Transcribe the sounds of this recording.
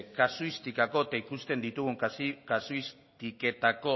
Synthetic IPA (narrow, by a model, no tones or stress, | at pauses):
kasuist̪ikako̞et̪aikust̪e̞nd̪it̪uɣ̞uŋkasuis | t̪ike̞t̪ako̞